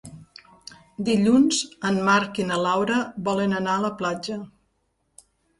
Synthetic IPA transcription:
d̪iʎunzəmmaɾkinəlawɾəbɔlənənaələplad͡ʒə

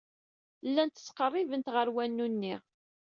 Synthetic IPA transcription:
lːænt̪ə̥t͡sːqərˤːivənt̪ʁəɾwænːunːiʁ

